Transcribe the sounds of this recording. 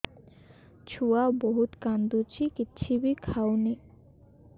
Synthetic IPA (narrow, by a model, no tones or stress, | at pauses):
t͡ɕʰuaboɦut̪kand̪ut͡ɕikitːɕʰibikʰawni